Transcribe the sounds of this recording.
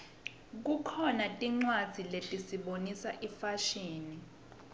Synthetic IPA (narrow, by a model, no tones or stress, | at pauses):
k̬ukʰɔnatʼiŋ͡ǀwad̥z̥ʱiletʼisiɓonisaʔifaʃiːni